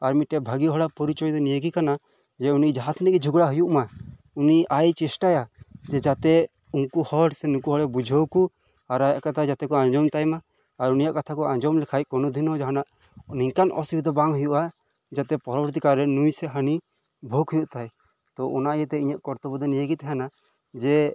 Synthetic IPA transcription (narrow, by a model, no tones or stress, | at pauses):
aɾmiʈɛbʱaɡiɦɔɽapɔɾit͡ʃɔjd̪ɔnijəɡikana | d͡ʒɛunid͡ʒaɦat̪ʰnɛkid͡ʒʱuɡɽaɦujuʔma | uniʔajt͡ʃɛsʈajad͡ʒɛd͡ʒat̪ɛ | uŋkuhɔɽsɛnukuɦɔɽɛbud͡ʒʱɔwku | aɾajaʔkat̪ʰad͡ʒat̪ɛkɔãɲd͡ʒɔmt̪ajmaː | ɾunijaʔkat̪ʰakɔaɲd͡ʒɔmlɛkʰaj̚kɔnɔd̪ʱinɔd͡ʒaɦanaʔ | niɲkanʔɔ̰sibid̪ɔbaŋɦujuʔa | d͡ʒat̪ɛpɔɾɔbɔɾt̪̬ikaɾːɛnujsɛɦəni | bʱoɡʰujuʔt̪aj | t̪ɔʔɔnaʔjət̪ɛiɲaʔkɔɾt̪ɔbɔd̪ɔnijəɡit̪ɛɦana | d͡ʒɛ